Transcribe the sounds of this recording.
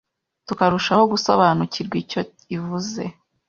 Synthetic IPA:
tukaɾuʃaho̞ɡuso̞̰βanuciɾɡwico̞ | ivuze̞

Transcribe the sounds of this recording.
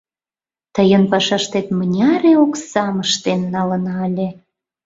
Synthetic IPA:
t̪əjənpɑʃɑʃt̪et̪mənʲɑɾeoksɑməʃt̪enːɑlə̆nɑlʲe

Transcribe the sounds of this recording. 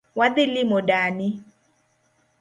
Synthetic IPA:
waðɪlimodani

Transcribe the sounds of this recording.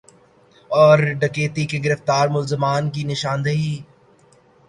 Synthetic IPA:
ɔːɾɖɐkeːt̪ikeɡɪɾəft̪aːɾmʊlzɪmaːnk̬inɪʃaːnd̪əɦiː

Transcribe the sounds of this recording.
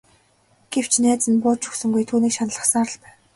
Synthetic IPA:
ɡ̥ew̥t͡ɕʰnæːt͡sɘ̆npʊːt͡ɕʰɵ̥xsɵ̆ŋɡujt̪ʰuːniːkʃanə̆ɮə̆χsaːɾə̆ɮpæːw

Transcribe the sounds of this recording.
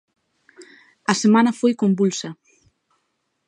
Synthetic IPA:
ɐsemanɐfojkombulsɐ

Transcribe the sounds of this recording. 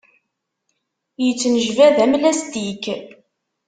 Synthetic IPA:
jət͡sːnəʒvæðæmlæst̪ik

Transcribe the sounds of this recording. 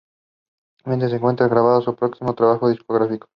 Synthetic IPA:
ment̪ɾes̬eŋkwe̞nt̪ɾaɣɾaβ̞aðosupɾo̞ksimo̞t̪ɾaβaxo̞ðiskoɣɾafiko

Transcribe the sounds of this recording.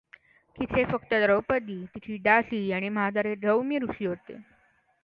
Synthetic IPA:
kit̪ʰefəkt̪əd̪ɾəwpəd̪iːt̪it̪ʰiːɖasiːaɽ̃iməɦad̪aɾed̪ɾəwmjəɾuʂiːɦot̪ḛ

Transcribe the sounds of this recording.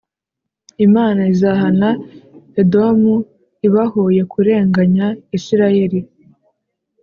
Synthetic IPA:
imaːnaizaɦanaedomu | iβahoje̞kʰuɾe̞ːŋɡaɲaisiɾaje̞ɾi

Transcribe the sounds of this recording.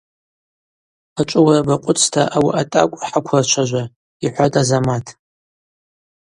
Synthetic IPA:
at͡ʃʷʼʊwarabaqʷʼʊt͡sʰtʰaʔawiʔatʼa̰kʷʼħakʷʰrat͡ʃʷʰaʒʷa | iħʷatʼazamatʰ

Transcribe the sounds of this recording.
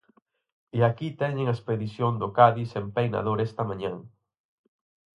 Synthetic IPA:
eakit̪ɛɲẽŋɐespeðiθjoŋd̪ʊkaðisempejna̰ðoɾɛst̪ɐmãɲãŋ

